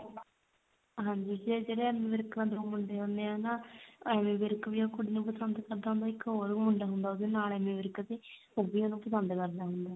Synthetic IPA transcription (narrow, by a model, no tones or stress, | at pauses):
ɦãːɲd͡ʒiːd͡ʒiɛd͡ʒeɽeɛːmẽːʋɪɾknãːd̪oːmʊɳɖeːoneːãːnãːɛːmẽːʋɪɾkʋiːoːkʊɽiːnũːpəsənd̪kəɾd̪aːɦʊ̃nd̪aːɪkːɦoːɾmʊɳɖaːɦʊnd̪aːod̪enaːlɛːmẽːʋɪɾkt̪eː | obiːonũːpəsənd̪kəɾd̪aːɦʊnd̪aː